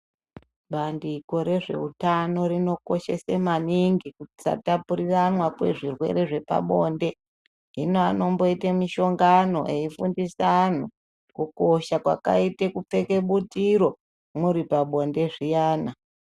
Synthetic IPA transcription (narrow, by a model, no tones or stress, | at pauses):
ɓandiko̞ɾe̞ʐe̞̰utano̞rino̞ko̞ʃe̞semaniŋɡikuti̥sa̰tapuɾiranwakwe̞̰ʐirwe̞̰ɾe̞ʐe̞pa̰ɓo̞ːnde̞ | ɦinoano̞mbo̞itemiʃo̞ŋɡano̞̰ʔeifundisan̤u | kuko̞ʃakwa̰ka̰itekup͡fe̞ke̞ɓutiɾo̞ | muɾipaɓo̞nde̞ʐijaːna